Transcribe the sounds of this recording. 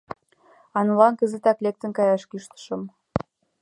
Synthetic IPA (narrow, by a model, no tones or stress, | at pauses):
ɑnulɑnkəzet̪ɑklek̚t̪ə̆nkɑjɑʃkyʃt̪ə̥ʃə̆m